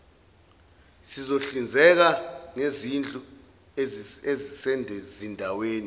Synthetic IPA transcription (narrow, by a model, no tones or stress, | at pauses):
sizoɬind͡zʱɛk̬aŋezind͡ɮʼu | ezisɛndʱɛzindʱaweːni